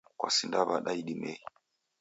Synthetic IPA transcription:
kwa̰sindaβaɗaiɗimɛi

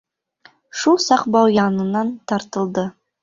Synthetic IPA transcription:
ʃulˠsɑqbɑwjɑnɤ̆nɑnt̪ɑɾt̪ɤ̆lˠd̪ɤ

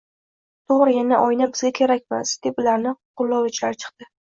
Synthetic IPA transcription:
t̪ʰoʁɾɪjanaʔɒjnabɪzɡʲakʲʰe̞ɾakʲmasd̪̥epʊlaɾnɪqʰʊlˠːɒvɪt͡ʃlaɾt͡ʃʰɨ̥qt̪ɪ

